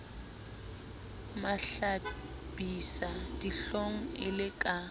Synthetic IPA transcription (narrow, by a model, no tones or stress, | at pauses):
maɬa | b̥isad̥iɬoŋ̩ɪlɪkʼa